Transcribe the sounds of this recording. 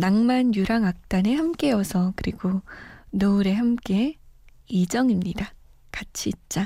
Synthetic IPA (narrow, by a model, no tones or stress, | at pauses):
naŋmanjuɾaŋak̚t͈anehamk͈e̞ʌsʰʌkɯɾiɡonʌuɾe̞hamk͈e̞ | id͡ʑʌŋimɲida | kat͡ɕʰiːt̚t͡ɕ͈a